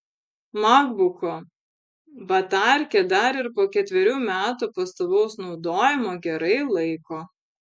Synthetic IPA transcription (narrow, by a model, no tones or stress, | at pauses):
mɑɡbʊkoː | bɐt̪ɑˑɾʲkʲɛd̪ɐɾɪɾpoːkʲɛt̪ʲʋʲɛɾʲuːmʲæːt̪upɐst̪oːʋɐʊsnɒʊd̪oːjɪmoːɡʲɛɾɐɪlˠɐɪkoː